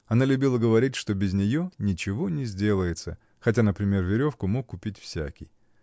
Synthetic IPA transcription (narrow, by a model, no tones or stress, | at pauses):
ɐnalʲʊbʲilˠəɡəvɐɾʲitʲʂt̪o̞bʲɪzʲnʲɪjo̞nʲɪt͡ɕɪvo̞nʲɪzʲdʲe̞lˠəjɪt̪sə̰ | xɐt̬ʲanəpɾʲɪmʲe̞rvʲɪɾʲo̞fkʊmo̞kːʊpʲitʲfsʲæ̰kʲɪ̰j